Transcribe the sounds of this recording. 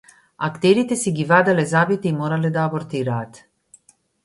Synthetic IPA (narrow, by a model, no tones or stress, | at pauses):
akt̪ɛɾit̪ɛsiɡivaːd̪alɛzabit̪ɛimoːɾalɛd̪aːboɾt̪iːɾaːt̪